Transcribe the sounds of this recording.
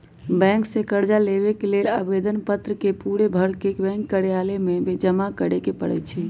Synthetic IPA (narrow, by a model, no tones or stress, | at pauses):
bɛ̃ŋksẽkəɾd͡ʒaleβekelelabed̪ənpət̪ɾəkepuɽebʱəɽkekbɛ̃ŋkːəɾijalemebed͡ʒəmakəɽekepəɽɛ̰t͡ʃʰɛ